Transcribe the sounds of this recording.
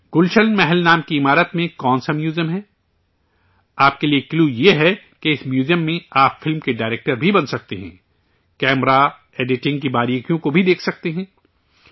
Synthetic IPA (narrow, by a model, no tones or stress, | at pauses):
ɡ̥ʊlʃənmɛɦɛlnaːmkiɪmaːɾət̪mẽkɔːnsamjuːzijəmɦɛː | aːp̚keliekluːjeɦɛ | keɪsmjuːzjəmːẽaːpfɪlmkeɖaːɪɾeːk̚ʈəɾbʱibɐnsɐk̚t̪eɦɛ̰̃ː | kɛːmɾa | eːɖɪʈɪ̃ŋɡ̚kibaːɾiːkjõkobʱid̪eːkʰsɐk̚t̪eɦɛ̃ː